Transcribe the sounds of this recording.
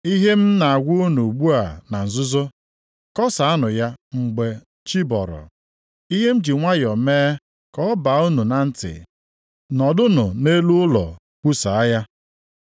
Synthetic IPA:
i˦ɦe˦m̩˦na˨a˨ɡʷʊ˦o˦nu˨ɡ͡bu˦a˨na˨n̩˨zʊ˦zʊ˦ | kɔ˦sa˨a˦nʊ˨ja˦ŋ͡m̩˨ɡ͡be˨ | t͡ʃi˦bɔ˨ɾɔ̰˨ | i˦ɦe˦m̩˦d͡ʒi˨ŋʷa˦jɔ˨meː˦ | kɔ˦ɔ˦ba˨˦u˦nu˨na˨n̩˦tɪ̰˨ | nɔ˨dʊ˦nʊ˨ne˦lu˦ʊ˦lɔ̰˨ | k͡pu˦sa˨a˦ja˦

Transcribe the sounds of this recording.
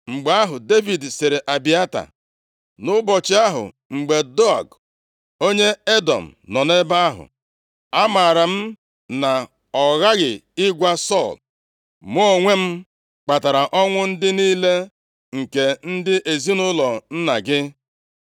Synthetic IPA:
ŋ͡m̩˨ɡ͡be˨a˦ɦʊ˨de˦vi˨dsɪ˨ɾe˨ʔa˨bi˨˦a˦ta̰˨ | nʊ˦bɔ˨t͡ʃɪ˦a˦ɦʊ̰˨ | ŋ͡m̩˨ɡ͡be˨dɔ˦a̰˨ɡ | o˦ɲe˦e˦dɔ̰˨m̩˨nɔ˨ne˦ba˦a˦ɦʊ̰˨ | a˦ma˨ɾa˨m̩˦ | na˨ | ɔ˨ɣa˦ɣɪ˨ɪ˦ɡʷa˦sɔ˦˨l | m˦ɔ˦o˦˨ŋʷe˦m̩˦ | k͡pa˨ta˨ɾa˨ʔɔ˦ŋʷʊ˦n̩˦dɪ˦niː˦le˦ | ŋ̩˨ke˨n̩˦dɪ˦ʔe˨zi˦nʊ˦lɔ˨n̩˦na˨ɡɪ˦

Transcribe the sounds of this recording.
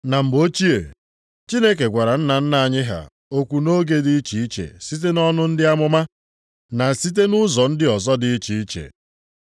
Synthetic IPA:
na˨m̩˨bo˦t͡ʃi˦ḛ˨ | t͡ʃi˦ne˦k̬e˨ɡʷa˨ɾa˨n̩˦na˨n̩˦na˨ɲɪ˦ɦa̰˨ | o˦kʷu˨no˦ɡe˨di˦i˦t͡ʃi˨i˦t͡ʃḛ˨si˦t̬e˦nɔ˦nʊ˦n̩˦dɪ˦a˦mʊ˦ma˦ | na˨si˦t̬e˦nʊ˦zɔ˨n̩˦dɪ˦ɔ˨zɔ˦dɪ˨˦i˦t͡ʃi˨i˦t͡ʃḛ˨

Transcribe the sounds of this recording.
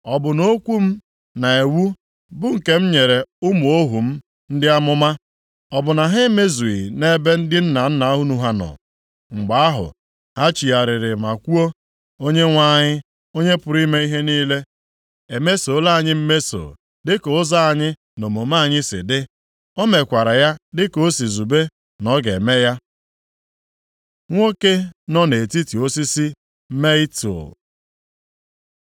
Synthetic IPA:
ɔ˨bʊ˨no˦kʷu˦m̩˦ | na˨e˨wu˦ | bʊ˦ŋ̩˨ke˦m̩˦ɲe˨ɾe˨ʊ˦mu˨o˦ɦu˨m̩˦ | n̩˦dɪ˦a˦mʊ˦ma˦ | ɔ˨bʊ˨na˨ɦe˦me˦zu˨ḭ˨ne˦be˦n̩˦dɪ˦n̩˦na˨n̩˦na˨a˦ɦʊ˦nu˨ɦa˦nɔ̰˨ | ŋ͡m̩˨ɡ͡ba˨˦a˦ɦʊ̰˨ | ha˦t͡ʃi˨a˨ɾɪ˨ɾɪ˨ma˨kʷu˦o˦ | o˦ɲe˦ŋʷa˦ɲɪ˦ | o˦ɲe˦pʊ˨ɾi˦me˦i˦ɦe˦niː˦le˦ | e˨me˦so˨˦la˦a˨ɲɪ˦m̩˦me˦so̰˨ | dɪ˦ko˨ʊ˦za˦a˨ɲɪ˦ | no˨mo˨ma˦˨ɲɪ˦sɪ̰˨dɪ˦ | ɔ˦me˨kʷa˨ɾa˨ja˦dɪ˦ko˦si˨zu˨be˦ | nɔ˦ɡe˨me˦ja˦ | ŋʷo˦ke˦nɔ˦ne˨ti˦ti˨o˦si˦si˦ | m̩˦me˦i˦tṵ˨

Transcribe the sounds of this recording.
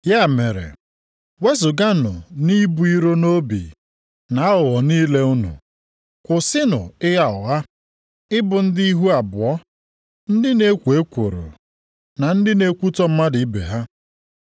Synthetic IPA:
ja˦˨me˨ɾḛ˨ | we˦zʊ˨ɡa˦nʊ̰˨ni˦bu˨i˦ɾo˦no˦bḭ˨ | na˨a˦ɦʊ˨ɣɔ˨niː˦le˦ʊ˦nṵ˨ | kʷʊ˨sɪ˦nʊ̰˨ɪ˦ja˨ʊ˨ɦa˦ | ɪ˦bʊ˨n̩˦di˦i˦ɦu˦a˨bʊ˨ɔ˦ | n̩˦dɪ˦ne˦kʷu˨e˦kʷo˨ɾṵ˨ | na˨n̩˦dɪ˦ne˦kʷu˦tɔ˦m̩˦ma˦dɪ˨i˦bḛ˨ɦa˦

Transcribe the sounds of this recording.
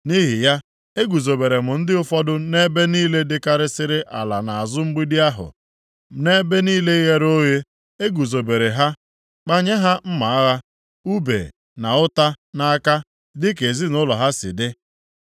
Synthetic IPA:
ni˦ɦi˨ja˦ | e˦ɡu˨zo˨be˨ɾe˨mʊ˨n̩˦dɪ˦ʊ˦fɔ˦dʊ˦ne˦be˦niː˦le˦dɪ˦ka˦ɾɪ˦sɪ˦ɾɪ˦ʔa̰˨la˨na˨a˨zʊ˦ŋ͡m̩˦ɡ͡bi˦dɪ˦a˦ɦʊ̰˨ | ne˦be˦niː˦le˦i˦ɣe˦ɾo˦ɣe˦ | e˦ɡu˨zo˨be˨ɾe˨ɦa˦ | k͡pa˦ɲe˦ɦa˦m̩˦ma˨˦a˦ɣa˦ | u˦bḛ˨ | na˨ʊ˦ta˦na˨a˦ka˦ | dɪ˦ke˨zi˦nʊ˦lɔ˨ɦa˦sɪ̰˨dɪ˦

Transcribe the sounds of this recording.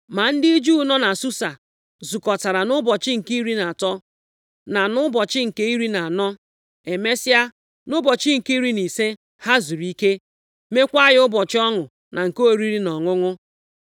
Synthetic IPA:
ma˨n̩˦di˦d͡ʒu˦˨nɔ˦na˨su˦sa˨ | zu˨kɔ˨ta˨ɾa˨nʊ˦bɔ˨t͡ʃɪ˦ŋ̩˨ki˦ɾi˦na˨tɔ˦ | na˨nʊ˦bɔ˨t͡ʃɪ˦ŋ̩˨ke˦i˦ɾi˦na˨a˨nɔ˦ | e˨me˦sɪ˦a˦ | nʊ˦bɔ˨t͡ʃɪ˦ŋ̩˨ki˦ɾi˦ni˨se˦ | ha˦zu˨ɾi˦ke˦ | me˦kʷa˦jɪ˦ʊ˦bɔ˨t͡ʃɪ˦ɔ˦ŋʊ˨ | na˨ŋ̩˨ko˦o˨ɾi˦ɾi˦nɔ˨ŋʊ˦ŋʊ˦

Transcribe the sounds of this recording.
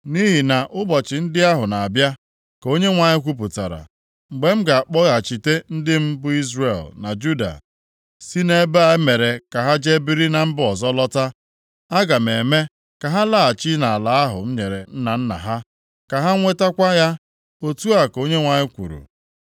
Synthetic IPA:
ni˦ɦi˨na˨ʔʊ˦bɔ˨t͡ʃɪ˨n̩˦dɪ˦a˦ɦʊ˨na˨a˨bja˦ | ko˦ɲe˦ŋʷa˨ɲɪ˦kʷu˦p̬ʊ˨ta̰˨ɾa̰˨ | ŋ͡m̩˨ɡ͡be˨m̩˦ɡa˨a˨k͡pɔ˦ɣa˨t͡ʃi˨te˦n̩˦dɪ˦m̩˦bʊ˦i˦zre˨lna˨d͡ʒu˦da̰˨ | si˦ne˦ba˨˦me˨ɾe˨ka˨ɦa˦d͡ʒe˦bi˦ɾi˦na˨m̩˦bʊ˦ɔ˨zɔ˦lɔ˦ta˦ | a˦ɡa˨m̩e˨me˦ | ka˨ɦa˦la˦˨a˨t͡ʃi˦na˨a˨la˨a˦ɦʊ̰˨m̩˦ɲe˨ɾe˨n̩˦na˨n̩˦na̰˨ɦa˦ | ka˨ɦa˦ŋʷe˦ta˦kʷa˦ja˦ | o˦tu˦a˨ko˦ɲe˦ŋʷa˨ɲɪ˦kʷṵ˨ɾṵ˨

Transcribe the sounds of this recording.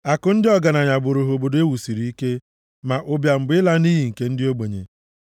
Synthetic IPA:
a˨kʊ˦n̩˦dɪ˦ɔ˦ɡa˨na˨ɲa˨bʊ˨ɾo˨ɦo˨bo˨do˦e˦wu˨si˨ɾi˨˦i˦ke˦ | ma˨ʔʊ˦bja˨m̩˨bɪ˨˦ɪ˦la˦ni˦ɦi˨ŋ̩˨ke˦n̩˦dɪ˦o˦ɡ͡be˨ɲḛ˨

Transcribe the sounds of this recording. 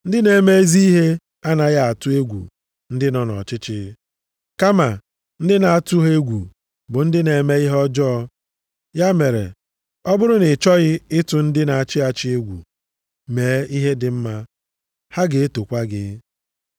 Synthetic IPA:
n̩˦dɪ˦ne˨me˦e˦zi˦i˦ɦe˦ | a˦na˨ɣa˦a˨tʊ˦e˦ɡʷṵ˨ | n̩˦dɪ˦nɔ˦nɔ̰˨t͡ʃɪ˦t͡ʃɪ̰˦ | ka˦ma˨ | n̩˦dɪ˦na˨a˨tʊ˦ɦe˦ɡʷṵ˨ | bʊ˨n̩˦dɪ˦ne˨me˦i˦ɦɔ˦d͡ʒɔ˦ɔ˦ | ja˦me˨ɾḛ˨ | ɔ˦bʊ˦ɾʊ˦nɪ˨t͡ʃɔ˦ɣɪ˦ɪ˦tʊ˨n̩˦dɪ˦na˨a˨t͡ʃɪ˦a˨t͡ʃɪ˦e˦ɡʷṵ˨ | meː˨˦i˦ɦe˦dɪ˨m̩˦ma˦ | ha˦ɡe˨e˦to˨kʷa˦ɡɪ̰˨˦

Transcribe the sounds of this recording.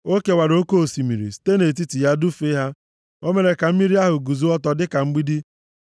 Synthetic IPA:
o˦ke˨wa˨ɾo˦ko˦o˨si˨mi˨ɾḭ˨si̥˨te˦ne˨t̬i˦ti˨ja˦du˦fe˦ɦa˦ | o˦me˨ɾe˨ka˨m̩˦mi˦ɾi˦a˦ɦʊ˨ɡu˨zu˦ɔ˦tɔ˨dɪ˦ka˨ŋ͡m̩˦ɡ͡bi˦di˦

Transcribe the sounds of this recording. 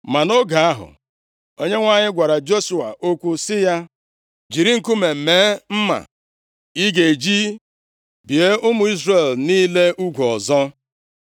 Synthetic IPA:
ma˨no˦ɡa˨a˦ɦʊ̰˨ | o˦ɲe˦ŋʷa˦ɲɪ˦ɡʷa˨ɾa˨d͡ʒo˦su˨a̰˨ʔo˦kʷu˦sɪ˦ja˦ | d͡ʒi˨ɾi˦ŋ̩˨ku˦me˨m̩˨meː˨˦m̩˦ma̰˨ | i˦ɡe˨d͡ʒi˦ | bi˨e˦ʊ˦mʊ˨i˦zre˨lniː˦le˦ʔu˦ɡʷu˨ɔ˨zɔ˦

